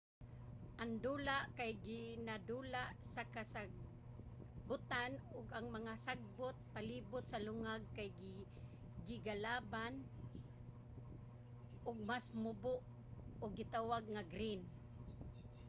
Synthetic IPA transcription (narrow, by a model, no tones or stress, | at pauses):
ʔaŋd̪uːlaʔkajɡɪnad̪uːlaʔsakasaɡ̚ | bʊt̪anʊɡaŋmaŋasaɡ̚bʊt̪̚paliːbʊt̪̚salʊŋaɡ̚kajɡɪ | ɡɪɡalaːban | ʔʊɡ̚masmʊbʊʔ | ʊɡːɪt̪awaɡŋaɡɾɪn